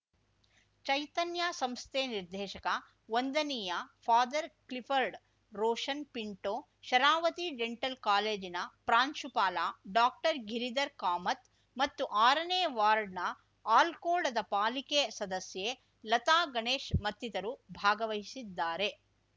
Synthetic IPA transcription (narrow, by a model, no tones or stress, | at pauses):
t͡ʃɐjt̪ɐnjasɐmst̪eːniɾd̪ʱɛːʃɐkɐ | ʋond̪ɐnijɐfʰaːd̪ɐɾklipʰɐɾɖ | ɾoːʃɐnpiɳʈoː | ʃɐɾaːʋɐt̪id͡ʒeɳʈɐlkaːleːd͡ʒinɐpɾaːnʃupaːlaːɖaːk̚ʈɐɾɡʱiɾid̪ɐɾkaːmɐt̪ | mɐt̪ːuʔaːɾɐneːʋaːɾɖnɐ | aːlkoːɖɐd̪ɐpaːlikesɐd̪ɐsje | lɐt̪aːɡɐɳeːʃmɐt̪ːid̪ɐɾubʱaːɡɐʋɐɦisid̪ːaːɾe̞